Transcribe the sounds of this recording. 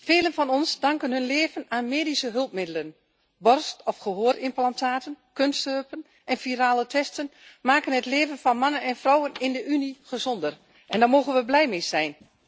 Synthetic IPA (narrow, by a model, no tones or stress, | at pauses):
feːlənfɑnɔnsdɑŋkənɦønleːvənaːnmeːdisəɦɵlˠp̚mɪdələn | bɔrstɔfχəɦoːrɪmplantʰaːtən | kønstøpən | ʔɛnfiɾaːlətʰɛstənmaːkənətleːvənfɔnmanənɛnfrɔwənɪndəʔyniχəzɔndər | ʔɛndɔːmoːɣənʋəblɛjmɪz̥ɛjn